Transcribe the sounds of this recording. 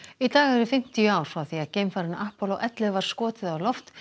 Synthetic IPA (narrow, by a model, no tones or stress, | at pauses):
it̪aːɣɛɾʏfɪm̥t̪ijʏaːwɾ̥fɾawθiaðceːjmfaɾɪnaʔahpɔlɔʔɛt̪lɪvaɾ̥skɔːt̪ɪðalɔft̪